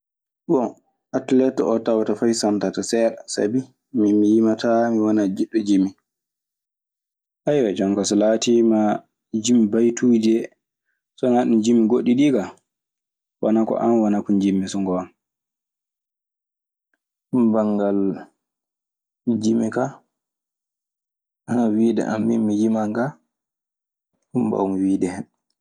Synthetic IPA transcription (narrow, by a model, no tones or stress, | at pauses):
ɓɔn | atlɛtɔtawatafajsantatasɛɾsa̰bi | mimijimatamiwɔnad͡ʒiɗːɔd͡ʒimːi | ʔajwad͡ʒaŋkɔsɔlatima | d͡ʒimbajtʰud͡ʒɛ | sɔnaɗund͡ʒimːiɡoɗiɗiɡa | wanakɔ̰ʔamwanakɔnd͡ʒimːisɔŋɡɔam | umbaŋɡal | d͡ʒimːika | ʔanawiːdɛ̰ʔa̰mːḭmːid͡ʒimaŋɡa | umba̰umwiːdɛhɛn